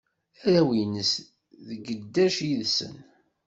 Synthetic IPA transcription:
æɾæwinəs | ðəɡəd̪ːæʃjiðsə̰n

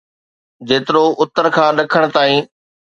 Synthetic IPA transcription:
d͡ʑeːt̪ɪɾoʊt̪əɾkʰãːɗɐkʰəɽ̃̆t̪aːĩː

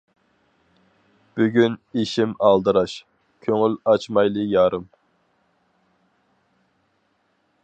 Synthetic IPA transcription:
b̥yɡʲyniʃimɑlˠd̪ɨɾɑʃ | kʲʰøŋylɑt͡ʃmɑjlˠɨjɑːɾɨm

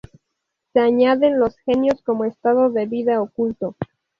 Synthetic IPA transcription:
se̞aɲaðe̞nlo̞sxe̞njosko̞moest̪aðo̞ðe̞βiðaokult̪o̞

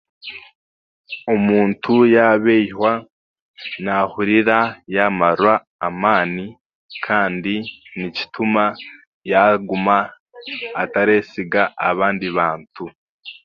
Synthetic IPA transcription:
omuːntʰujaβeihwa | nahuɾiɾajaːmaɾwaː | maːni | kʰaːndinici̥tuma | jaɡumaː | taɾeːsiɡaʔːβaːndiβaːntʰu

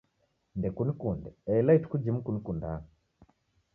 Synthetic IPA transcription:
ndɛkunikundɛɛilaitu̥kud͡ʒim̩kunikunda

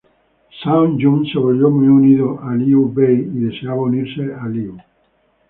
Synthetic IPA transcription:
sawnd͡ʒunseβoljomiuniðoʔaliubejiðe̞seaβauniɾsealiu

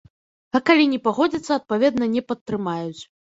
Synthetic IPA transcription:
ɐkalʲinʲɛpaɣɔd͡zʲit̪sːɐɐt̪̚pavʲɛd̪nɐnʲɛpɐt̪ːɾɨmajut͡sʲ

